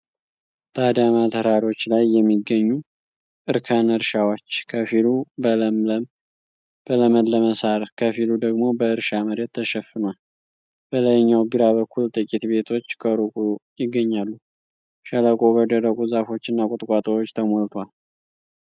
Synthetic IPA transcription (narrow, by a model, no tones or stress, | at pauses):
b̥əad̪amat̪ʰəɾaɾo̞t͡ʃːlajːɛmːiɡːəɲːu | ʔɨɾkʰanɨɾʃawot͡ʃːkʰəfilubələmləm | b̥ələməd̪ləməsaɾkʰəfilud̪əɡmo̞bəɨɾʃaməɾet̪ʰːəʃɛfːɨnal | b̥ələjɲːawɡɨɾaβəkʰːult̪ʼɨkʼit̪be̞t̪ʰo̞t͡ʃːkʼəɾukʼujɪɡːəɲːalːu | ʃələkʼobəd̪əɾəkʼuzafo̞t͡ʃːɨnːakʼʊt̪ʼkʼat̪ʼəwot͡ʃːt̪ʰəmolt̪ʰwal